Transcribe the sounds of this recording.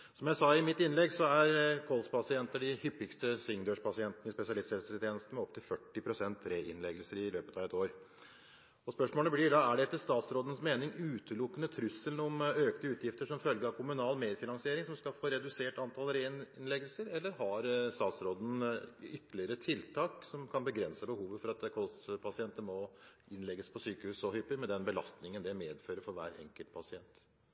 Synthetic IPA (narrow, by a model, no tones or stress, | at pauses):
sɔmjæɪsɑɪmɪt̪ːɪnlɛɡsɔæɾkʰɔlspʰɑsɪɛnt̪əɖɪhʏpːɪkst̪əsɪŋd̪øːʂpʰɑsɪɛnt̪nəɪspɛsɪɑlɪshɛlsəst̪ʰeːnəst̪̩mɛɔp̚t̪ʰɪlfœʈːɪpʰɾʊsɛnt̪ɾeːʔɪ̰nlɛɡəlsəɾɪløːpət̪ɑʋɛt̪oːɾ | ɔspœʂmoːləblɪɖɑæɖɛɛt̪ːɪlst̪ɑːt̪sɾoːd̪ən̩smeːnɪŋʉːt̪ʰəlʊkːənət̪ʰɾʉsəlnɔmøːknəʉːt̪jɪft̪əʂɔmfœlɡəɾɑkʰʊmʉnɑːlmeːd̪fɪnɑŋsɪeːɾɪŋsɔmskɑfoːɾɛd̪ʉseːʈɑnt̪ʰɑlɾennlɛɡəlsəɾɛlːəɾhɑɾst̪ɑːt̪sɾoːd̪n̩ʏt̪ːəlɪəɾət̪ʰɪlt̪ʰɑːksɔmkʰɑnbəɡɾɛnsəbəhuːʋəfɔɾɑt̪kʰɔlst̪pʰɑsɪɛnt̪əmɔ | ɪnlɛɡːəspʰɔsyːkəhʉːsɔhʏːpəɾmɛd̪ɛnbəlɑ̰st̪nɪŋənd̪ɛmeːd̪føːɾəfɔɾʋæ̰ːɾɛ̰ŋkəlt̪̚pʰɑsɪɛnt̪